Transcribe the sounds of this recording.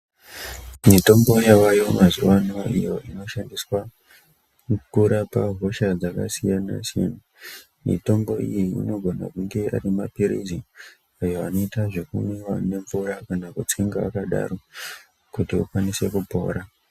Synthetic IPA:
mito̞mbo̞jaʋajo̞mazuwanoijo̞ʔino̞ʃandiswa | kuɾapaɦo̞ʃad͡zakasijana̰ʃinu | mḭto̞mbo̞ḭjiḭno̞ɡʱo̞na̰kuŋɡe̞ʔa̰ɾimapiɾḭzi | ajo̞ano̞itaʐekumewane̞ɱvuɾakanakut͡siŋɡaʋa̰kaɗa̰ɾo̞ | kutiṵkwanise̞kupo̞̰ːɾa

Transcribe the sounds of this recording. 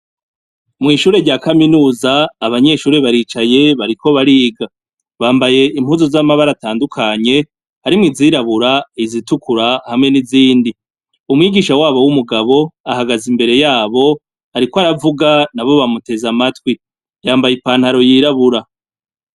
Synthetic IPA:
mŋiːʃuːɾe̞ɾɟaːkaminuːzaːβaɲe̞ʃuːɾe̞βaɾiːt͡ʃaje̞βaɾiko̞βaɾiːɡa | βaːmbaje̞im̥huːzozamaβaɾataːndukʰaɲe̞ | haɾimŋiziːɾaβuɾaizitukuɾahamŋe̞niziːndi | umŋiːɡiːʃawaːβo̞wumuɡaβo̞ahaɡazimbe̞ɾe̞jaːβo̞ | aɾikoaɾavuɡanaβo̞βamute̞zamatwi | jaːmbajipaːn̥haɾo̞jiːɾaβuɾa

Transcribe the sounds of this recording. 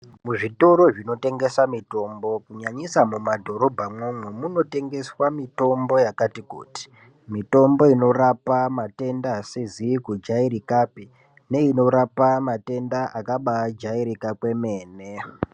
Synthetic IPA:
muʐito̞ɾo̞ʐino̞te̞ŋɡe̞samito̞mbo̞kuɲaɲisamumadʱo̞ɾo̞bʱamwomwemuno̞te̞ŋɡe̞swamito̞mbo̞jakatikṵːti̥ | mito̞mbo̞ino̞rapamate̞ndasezikud͡ʒaiɾikapi | ne̞ino̞ɾapamate̞ndaʔakaɓad͡ʒaiɾikakwe̞me̞ːne

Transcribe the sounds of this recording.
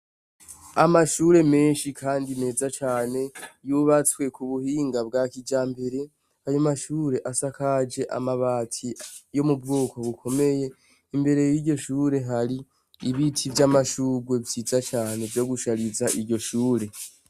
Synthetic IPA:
amaʃuːɾe̞me̞ːnʃikʰaːndine̞ːzat͡ʃaːne̞juβat͡swe̞kuβuhiːŋɡabɡakid͡ʒaːmbe̞ɾe̞ | ajomaʃuːɾe̞ʔasakad͡ʒe̞ʔa̰maβaːtʰijo̞mubɡoːko̞βukʰo̞me̞je̞ | imbe̞ɾe̞jiɾɟo̞ʃuːɾe̞ɦaɾiː | βitʰivjamaʃuːɡwe̞vizat͡ʃaːne̞vjo̞ɡuʃaɾizaʔiɾɟo̞ʃuːɾe̞

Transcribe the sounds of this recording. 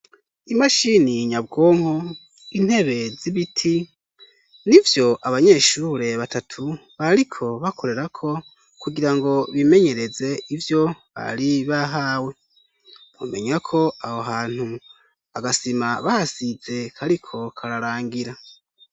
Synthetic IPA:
imaʃiniɲab̚ɡo̞ːŋ̥ho̞ | in̥he̞βe̞ziβitʰi | nivjo̞ʔaβaɲe̞ːʃuɾe̞βatatʰuβaɾikʰo̞βakʰo̞ɾe̞ɾakʰo̞ | kuɡiɾaŋɡo̞βime̞ɲe̞ɾe̞ze̞ivjo̞βa̰ɾiβaɦaːwe̞ | mo̰me̞ɲakʰo̞ahoɦaːn̥hu | aɡasimaβahasize̞kʰaɾikʰo̞kʰaɾaɾaːŋɡiɾa

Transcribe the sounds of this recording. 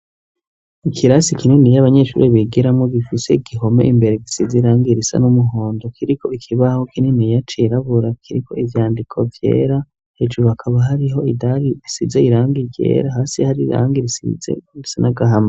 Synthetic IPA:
ikʰiɾasikininijaβaɲe̞ʃṵːɾeβiɡiɾamŋoɡifise̞iɡiɦo̞me̞̰ʔimbe̞ɾeɡisizeɾaːŋɡiɾisa̰numuɦoːndokʰiɾikʰo̞ikʰiβaho̞kininijat͡ʃiɾaβuɾakʰiɾikʰo̞ivjaːndikʰo̞vje̞̰ːɾa | hed͡ʒuɾuhakʰaβaɦaɾiɦo̞idaɾiisizeiɾaːŋɡiɡɟḛːɾaɦaːsihaɾiɾa̰ːŋɡiɾisḭzḛisanaɡaɦama

